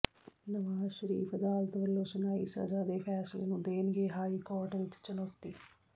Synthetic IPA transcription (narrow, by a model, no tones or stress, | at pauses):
nɐʋaːʃɾḭːpʰɐd̪aːlt̪ɐʋɐlːoʃɐnaḭsɐ̰d͡ʒaːd̪eːpʰaːslɐnud̪eːniɡeːɦaːjikoːʈɐnit͡ʃːi̥t͡ʃːɐnot̪ːi